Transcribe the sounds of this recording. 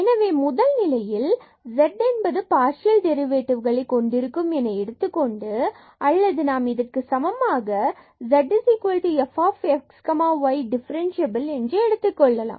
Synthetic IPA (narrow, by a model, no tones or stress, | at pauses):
ɛnɐʋeːmʊðɐlnɪlɐjɪl | zɛɖɛnbɐðɯpaːɾʂɪjɐlɖɛɾɪʋeːʈːɪʋɣɐɭɐɪkːɔɳɖɪɾɯkːɯmɛnɐɛɽɯt̪ːɯkːɔɳɖɯ | ʔɐlːɐðɯnaːmɪðɐrkɯsɐmɐmaːɣɐ | zɛɖːɪsikʋɐlʈiɛfaːfɛkskɐmaːʋɐɪɖɪfɐɾɛnʃɐbɐlɛndrɯɛɽɯt̪ːɯkːɔɭːɐla̰ːmm